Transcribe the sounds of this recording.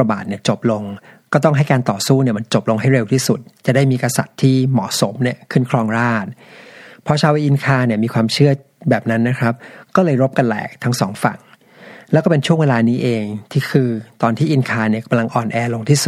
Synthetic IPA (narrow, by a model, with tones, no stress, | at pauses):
ɾa˧baː˨˩t̪̚ni˥˩ət͡ɕo˨˩p̚lo˧ŋ | kɔː˥˩t̪ɔ˥˩ŋɦa˥˩jkaː˧nt̪ɔː˨˩suː˥˩ni˥˩əma˧nt͡ɕo˨˩p̚lo˧ŋɦa˥˩jɾe˧wt̪ʰiː˥˩su˨˩t̪̚t͡ɕa˨˩daː˥˩jmiː˧kɾa˧sa̰˨˩t̪ʰːiː˥˩mɔ̰ː˩˦so˩˦mni˥˩ɐkʰɯ˥˩nkʰɾɔː˧ŋɾaː˥˩t̪̚pʰɾɔ˦˥t͡ɕʰaː˧wʔi˧ʔi˧nkʰaː˧ni˥˩ɐmiː˧kʰwaː˧mt͡ɕʰɯ˥˩ɐ | bɛː˨˩p̚na˦˥nːa˦˥kʰɾa˦˥p̚kɔː˥˩lɤː˧jɾo˦˥p̚ka˧nlɛ̰ː˨˩k̚t̪ʰa˦˥ŋsɔ̰ː˩˦ŋfa̰˨˩ŋ | lɛː˦˥wkɔː˥˩pe˧nt͡ɕʰu˥˩əweː˧laː˧niː˦˥ʔeː˧ŋt̪ʰiː˥˩kʰɯː˧t̪ɔː˧nt̪ʰiː˥˩ʔi˧nkʰaː˧ni˥˩ka˧mla˧ŋʔɔː˨˩nʔɛː˧lo˧ŋt̪ʰiː˥˩su˨˩